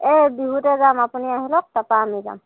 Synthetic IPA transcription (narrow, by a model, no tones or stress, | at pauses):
ebiɦutɛzamapuniaɦilɔk̚tapaːmiza̰m